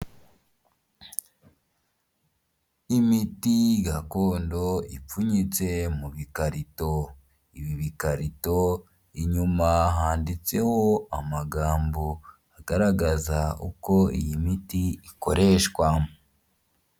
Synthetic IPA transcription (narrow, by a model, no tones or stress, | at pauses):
imitiɡakoːndo̞ip͡fuɲit͡se̞muβikaɾito̞ | iβiβikaɾito̞ | iɲumaɦaːndit͡se̞ho̞amaɡaːmbo | aɡaɾaɡazaṵko̞ḭjimitiiko̞ɾe̞ʃkwamu